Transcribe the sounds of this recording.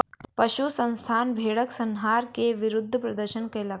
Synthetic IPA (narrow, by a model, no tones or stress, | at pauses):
pɐʃusɐ̃ñst̪ʰaːnbʱeːɽəksɐnɦaːɾkeʋɪɾʊd̪ʱːəpɾɐd̪əɾʃənkɐjlak